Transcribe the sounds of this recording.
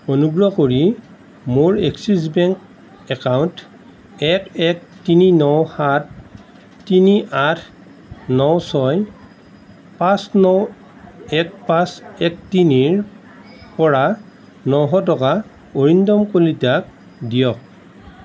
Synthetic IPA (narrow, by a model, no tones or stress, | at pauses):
onuɡɹɔkoɹi | moɹeksis̬bɛŋk | ɛkawnt | ɛkɛk̚tininɔwhatː | iniʔatʰ | nɔwsɔj | pãsnɔw | ɛk̚pãsɛk̚tiniɹ | pɔɹa | nɔwɦɔt̬ɔka | oɹindɔmkolitak̚ | dijɔk̚